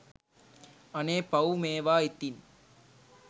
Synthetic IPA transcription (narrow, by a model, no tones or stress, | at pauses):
ɐneːpɐumeːʋaːit̪ːin